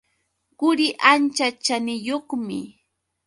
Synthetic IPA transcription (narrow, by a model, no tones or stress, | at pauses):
ɢʊɾɪʔant͡ʃat͡ʃanɪjoχmɪ̰